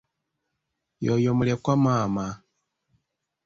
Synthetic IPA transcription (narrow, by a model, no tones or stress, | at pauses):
jojomulekwamaːma